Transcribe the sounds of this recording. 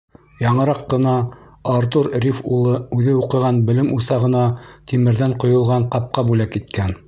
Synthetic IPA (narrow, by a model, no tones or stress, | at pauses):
jɑɴɤ̆ɾɑqːɤ̆nɑː | ɾt̪uɾrifulˠɤʉðɘuqɤ̆ʁɑnbɘ̆lɘmusɑʁɤ̆nɑt̪imɘ̆ɾðæɴqŏjŏlˠʁɑɴqɑp̚qɑbulækit̪kæn